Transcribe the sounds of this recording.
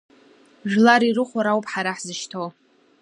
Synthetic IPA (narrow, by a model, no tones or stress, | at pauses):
ʒᶣlaɾirɨχʷaɾawpʰʼħaɾaħzɨʃtʰo